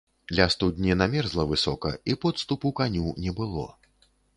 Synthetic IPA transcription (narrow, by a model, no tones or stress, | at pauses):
d̪lʲast̪ud̪ʲnʲinamʲɛrzlˠɐvɨsɔkɐ̰ipɔt̪st̪upukanʲunʲɛbɨlˠɔ̰